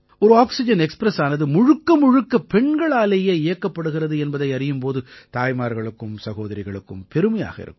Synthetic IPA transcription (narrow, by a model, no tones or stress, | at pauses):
ɔɾɯaːksɪd͡ʒɐnɛkspɾɐsaːnɐðɯmʊɻɯkːɐmʊɻɯkːɐpɛɳɡɐɭaːleːjeːjɐkːɐpːɐɽɯɣɪrɐðɯɛnbɐðɐɪɐrɪjɯmpoːðɯt̪aːjmaːɾɣɐɭɯkːɯmsɐɣoːðɐɾɪɣɐɭɯkːɯmpɛɾɯmɐja̰ːɣɐɪ̰ɾɯ̰kː